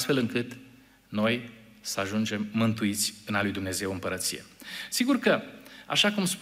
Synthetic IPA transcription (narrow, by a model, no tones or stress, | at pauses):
t̪fe̞lɨŋkɨt̪ | no̞j | səaʒund͡ʒe̞mːɨnt̪uit̪sʲɨnalujd̪umne̞ze̞wɨmpəɾət̪sije̞̰siɡurkəa̰ʃakumsp